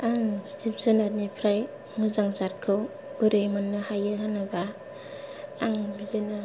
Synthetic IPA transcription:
aŋzip̚zɯnaɾnipʰɾaj | ŋuzaŋzaɾkʰɯ | b̥ɯɾɯjmanːahajɯɦanaba | ŋbidena

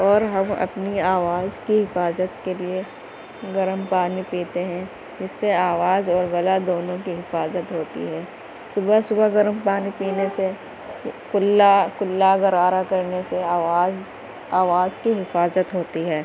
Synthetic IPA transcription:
ɔːɾɦɐ̃mɐ̰pniaːʋaːzkiɦɪfaːzət̪kelie | ɡɐɾəmpaːnipiːt̪eɦɛ̃ | d͡ʒɪsːeaːʋaːzɔːɾɣɐlad̪oːnõkiɦɪfaːzət̪ɦoːt̪ḭɦɛː | sʊbəsʊbəɡɐɾəmpaːnipiːnese | kʊlakʊlːaɡɐɾaːɾakɐɾneseaːaːz | aːʋaːzkiɦɪfaːzət̪ɦoːt̪iɦɛː

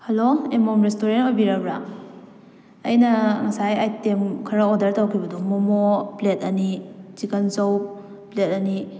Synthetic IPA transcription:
hɐloemomɾestoɾenmɐbiɾɐbɾa | ɐ̰jnɐŋɐsajajtemkʰɐɾɐodɐɾtawkʰibɐdomomopletɐnit͡ʃikɐnsow | plet̚ɐni

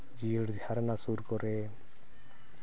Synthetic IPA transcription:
d͡ʒiɽd͡ʒhaɾnasuɾkɔɾe

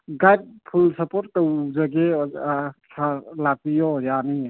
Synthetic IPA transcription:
ɡajd̚pʰulsɐpoɾt̚ːəwzaɡe | sʰalak̚pijɔjani

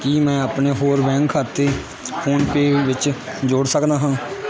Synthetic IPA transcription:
kiːmɛ̃ːaːpneːɦoːɾbɛ̃ːŋkʰːaːt̪eː | pʰuːnpeːʋɪt͡ʃd͡ʒoːɽsəkd̪aːɦãː

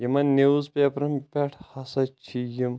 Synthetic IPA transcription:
jɐmɐnːeuzpʲepɾɐmpʲaʈʰhɐsɐt͡ʃʰijim

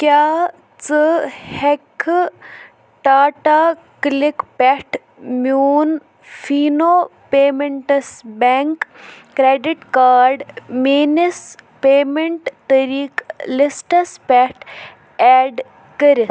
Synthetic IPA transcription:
kjaː | t͡səhekʰ | ʈaːʈa | klikpɛʈʰ | muːn | fiːnoːpeːmeɳʈɐsbɛŋkː | ɾeːɖiʈkaːɾɖmiːnispeːmeɳʈt̪ɐɾiːklisʈɐspɛʈʰ | ɛːɖ | kəɾi

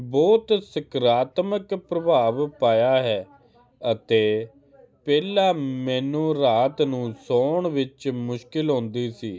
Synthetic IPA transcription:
bɔːt̪sɪkɾaːt̪məkpɾəbʱaːʋpaːjaːɦɛː | ət̪eː | pɛːlaːmɛːnũːɾaːt̪nũːsoːɳʋɪt͡ʃmʊʃkɪlɦõːnd̪iːsiː

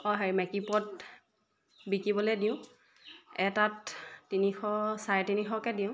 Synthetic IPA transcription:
ɔɦeɹmɛkipɔt̚ | bikibɔlediʊ̃ | ɛtattːinixɔsaɹɛtinixɔkɛdiʊ̃

